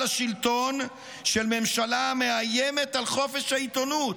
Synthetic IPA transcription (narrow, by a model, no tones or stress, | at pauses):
aʃilt̪on | ʃelme̞mʃalame̞ajeme̞t̪alχo̞fe̞ʃhait̪o̞nut̪